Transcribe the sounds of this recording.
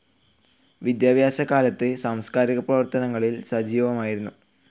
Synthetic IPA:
ʋid̪jaːbʱjaːɕɐkaːlɐt̪ːɨsaːmskaːɾiɣɐprɐʋɐrt̪ɐnɐŋːɐɭilsɐd͡ʑiːʋɐmaːjiɾunːu

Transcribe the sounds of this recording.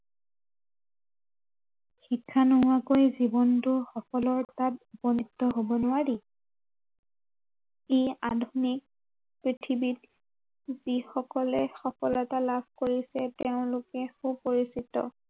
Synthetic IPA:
xikʰːanɔakojzibɔntʊxɔkɔlɔɹtatupɔniktːɔɦobɔnʊwaɹi | eadʱunik̚ | pɹitʰibit̚ | zixɔkɔlɛxɔkɔlɛtalabʱkoɹisɛteʊ̃lʊkɛxupoɹisitɔ̰

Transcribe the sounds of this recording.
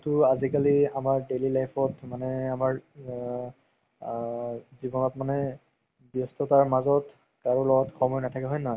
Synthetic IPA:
tʊazikaliamaɹdelilajpʰɔtmanɛamaɹ | zibɔnɔtmanɛ | bjɔstɔtaɹmazɔt | kaɹulɔɡɔtkʰɔmɔjnatʰakɛɦɔjnɔɦɔj

